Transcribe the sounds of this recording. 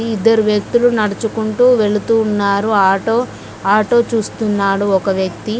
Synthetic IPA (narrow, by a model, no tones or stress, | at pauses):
iid̪ːɐɾuʋjɐk̚t̪ulunɐɽɐt͡ʃukuɳʈuːʋe̞ɭut̪uːnːaːɾuaːʈoː | aːʈo̞ːt͡ʃuːst̪unːaːɽuɔkɐʋjɐk̚t̪i